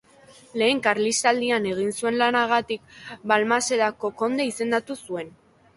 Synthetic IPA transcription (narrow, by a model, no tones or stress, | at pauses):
le̞ːŋkaɾlist̪ald̪iane̞ɣ̞insue̞nlanaɣat̪ik̚balmase̞ðako̞ko̞nd̪eise̞nd̪at̪usue̞n